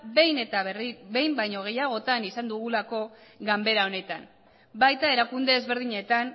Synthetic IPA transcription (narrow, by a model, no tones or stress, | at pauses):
bejne̞t̪abe̞jmbajɲo̞ɣ̞e̞jaɣ̞o̞t̪anisand̪uɣulako̞ɡambe̞ɾao̞ne̞t̪a̰n | bajt̪ae̞ɾakund̪e̞ːzβe̞ɾðiɲe̞t̪an